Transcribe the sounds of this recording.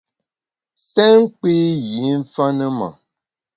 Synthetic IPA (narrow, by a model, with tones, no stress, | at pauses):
sɛ˦ŋ̩˦k͡pi˦ji˨˦n̩˦fa˦nə˦ma̰˨